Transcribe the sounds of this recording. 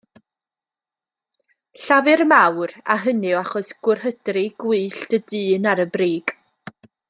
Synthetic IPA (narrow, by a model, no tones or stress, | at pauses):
ɬavɨrmawra̰ɦənɨwaχɔsɡ̥ʊrhədrɪɡ̥wɨːɬd̥ədɨːnaɾəbriːɡ̥